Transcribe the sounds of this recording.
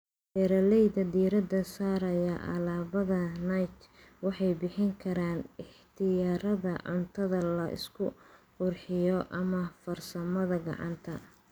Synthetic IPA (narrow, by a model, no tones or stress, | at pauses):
dɛɾɐlɛjd̪ɐd̪iːɾɐd̪ɐsaːɾɐjɐʔɐ̰laːβɐðɐnɐjt̪ | wɑħɑjbɪħɪŋkʰɐɾaːnɪħt̪ʰɪjaːɾɐðɐʕʊnt̪ʰɐðɐlɐʔɪ̰skʰʊqʊrħɪjɔʔɐmɐfɐrsɐmɐðɐɡɑ̰ʕɑ̰nt̪ʰɐ